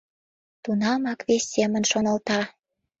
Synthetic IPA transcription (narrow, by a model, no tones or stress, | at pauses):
t̪unɑmɑkvβesʲːemə̆nʃonə̆lt̪ɑ